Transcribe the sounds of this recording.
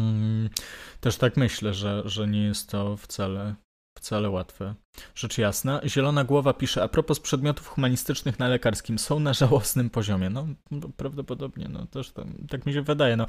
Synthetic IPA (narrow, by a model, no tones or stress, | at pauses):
t̪ɛʂt̪akmɘɕlɛʐɛʐɛɲɛjɛst̪ːɔft̪salɛ | ft̪salɛwat̪fɛ | ʐ̥ɛt͡ʂjasnaʑɛlɔnaɡwɔvapʲiʂɛapɾɔpɔspʂɛd̪mʲjɔt̪ufxumaɲist̪ɘt͡ʂnɘxnalɛkaɾskʲimsɔ̃w̃naʐawɔsnɘmpɔʑɔmʲjɛnɔbɔpɾavd̪ɔpɔd̪ɔbɲɛ̰nɔ̰t̪ɛʂt̪a̰t̪akmʲiɕɛvɘd̪ajɛnɔ